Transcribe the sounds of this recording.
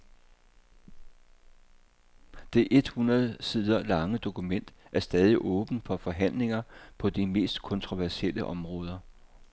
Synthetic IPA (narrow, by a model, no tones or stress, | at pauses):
d̥e̝ʔe̝d̥hunɐð̩ˠsiðˠɐlɑ̈ŋəd̥o̝kumen̰d̥æɐsd̥ɛːð̞ˠiʔɔ̽ːb̥n̩fɒ̽fɒ̽ɦæn̰le̝ŋɐpʰɒ̽d̥ime̝̰ːsd̥kʰɒ̽nt͡sʰʁo̝ʋæɐsiel̰əʔɒ̽mʁɔ̽ːð̞ˠɐ